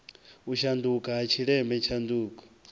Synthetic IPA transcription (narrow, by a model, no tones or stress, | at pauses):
uʃand̪ukaɦat͡ʃʰiɺɛmbɛt͡ʃʰand̪uːkʼɔ̥